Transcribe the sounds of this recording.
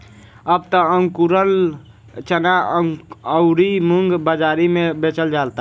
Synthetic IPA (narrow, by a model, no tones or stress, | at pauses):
əb̚t̪əəŋɡkuɾəl | t͡ʃəna | əʊɾimuŋɡbəd͡ʒaːɾimẽbet͡ʃəld͡ʒaːlt̪a